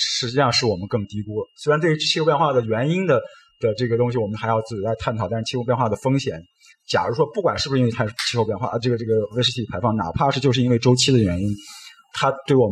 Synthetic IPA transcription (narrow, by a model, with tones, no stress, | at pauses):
ʂɻ̩˧˥t͡ɕi˥˧ɕɑ˥˧ŋʂɻ̩˥˩wɔ˨˩mə˦nkɤ˥˩ŋt̪i˧˥ku˥swe˥ɪɻa˧˥nwy˧˥t͡ɕʰi˥xʊpjɛ˥˧nxwa˥˩d̪ə˩ɥɛ˧˥ni˥nd̪ə˨ | d̪̥ə˨ʈ͡ʂɤ˥˩ɡə˩t̪ʊ˥ŋɕ̬i˨wɔ˨˩mə˦nxa˧˥jɑ˥˧ʊt͡sɹ̩˥˩t͡ɕi˨˩la˧˥ɪt̪ʰa˥˩nt̪ʰt̪a˥˧ʂ̩˥t͡ɕʰi˥xo˥˧pjɛ˥˧nxwa˥˩d̪ə˩fɤ˥ŋɕjɛ˨˩˦n | t͡ɕja̰˨˩ɻu˧˥ʂwɔ˥pu˥˩kwa˨˩nʂɻ̩˥˩b̩˩˧˥wt̪ʰa˥˧˩t͡ɕʰi˥xo˥˧pjnxwa̰˥˩˧ʈ͡ʂɤ˥˩ɡə˩ʈ͡ʂɤ˥˩ɡə˩we˥ʂɻ̩˥˧t͡ɕʰi˥˩i˨˩pʰɪfɑ˥˩ŋna̰˨˩pʰa˥˧ʂɻ̩˥˩t͡ɕjo˥˧ʊʂ̬ɻ̩˥˧i˥nwe˥˩ɪʈ͡ʂo˥ʊt͡ɕʰi˥d̪ə˨ɥɛ˧˥ni˥n | t̪ʰa˥t̪we˥˩ɪwɔ˨˩m